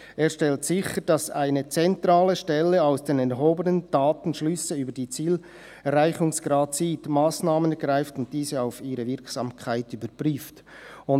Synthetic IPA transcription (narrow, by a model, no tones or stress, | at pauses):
ʔeːɾʃtɛltsɪçəɾd̥ɑsa̰ɪnət͡sɛntraːləʃtɛlːəaʊsd̥eːnɛɾɦoːbənənd̥aːtn̩ʃlʏsəyːbəɾdiːt͡siːl | rːaɪçʊŋsɡ̥ɾɑːdsiːtmaːsnaːmənɛɾɡ̥ɾaɪftʊnt̚d̥iːzəaʊfiːɾəvɪɐɾksɑːmkʰaɪtyːbəɾpʁyːft | ʊn